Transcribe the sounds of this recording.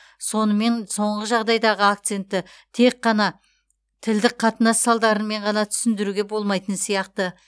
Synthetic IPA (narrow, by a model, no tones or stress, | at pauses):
so̞nəme̞nso̞ɴʁəʒɑʁd̪ɑjd̪ɑʁəakt̪se̞nt̪ːɪ | t̪ʰe̞q̚qːɑnɑ | t̪ʰɪld̪ɪk̚qʰɑt̪ənɑsːɑlˠd̪ɑɾənme̞ɴʁɑnɑt̪ʰʏ̥sɪnd̪ɪɾuɡʲe̞bo̞lˠmɑjt̪ənsijɑqt̪ə